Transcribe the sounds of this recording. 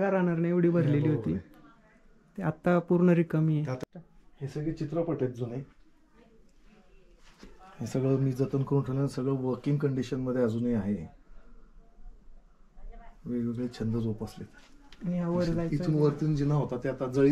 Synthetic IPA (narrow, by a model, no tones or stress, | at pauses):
ɡaɾanaɾnajeʋɽ̤iːbʱəɾleliːɦot̪iː | t̪eat̪ːapuɾɳəɾikəmijeahesəɡɭeːt͡ɕit̪ɾəpəʈet̪̚d͡zune | ẽsəɡɭəːmiːd͡zət̪ənkəɾuːnʈʰeʋlansəɡɭəːʋəɾkiŋɡkəɳɖiɕənməd̪ʱːjead͡zuːniaɦe | ʋeɡeɡɭet͡ɕʰənd̪əd͡zopəslet̪nijaʋəɾd͡zajiuːnʋəɾt̪iːnd͡ʑinaɦot̪at̪eat̪ad͡zəɭi